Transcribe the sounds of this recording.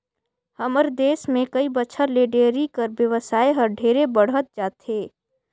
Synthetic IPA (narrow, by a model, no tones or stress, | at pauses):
hɐməɾd̪eːsmẽkɐibəʃʰəɾleːɖeːɾikəɾbjəʋəsaːeɦɐɾɖʱeːɾebəɽ̤ɦət̪̚d͡ʒaːt̪ɦeː